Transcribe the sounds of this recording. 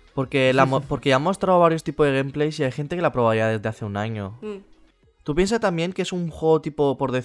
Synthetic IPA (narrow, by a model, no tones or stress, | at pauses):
po̞ɾke̞lamopo̞ɾke̞amːo̞st̪ɾaoβaɾjost̪ipo̞zðeemple̞jsiajxe̞nt̪e̞kelapɾo̞βajaðe̞zðe̞aθe̞unaɲo | t̪upje̞ns̬ast̪ambje̞ŋkeesuŋxwe̞ɣot̪ipopo̞ɾðe̞θ